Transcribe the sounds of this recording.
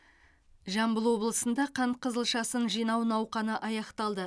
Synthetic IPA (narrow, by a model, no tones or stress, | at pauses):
ʒɑmbəlˠwo̞blˠəsənd̪ɑqʰɑɴ̚qʰəzəlˠʃɑsənʒijnɑwnɑwqɑnəʔɑjɑqt̪ɑlˠd̪ə